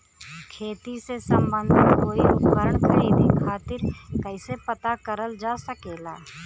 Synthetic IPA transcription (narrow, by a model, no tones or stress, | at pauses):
kʰeːt̪isesəmbə̃nd̪ʱkoːiʊpkəɾəɳkainikʰaːt̪ɪɾkəɪsepət̪akəɾəld͡ʒaːsəkeːlaː